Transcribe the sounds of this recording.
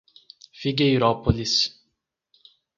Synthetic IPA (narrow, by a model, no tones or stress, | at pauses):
fiɡejɾɔpolis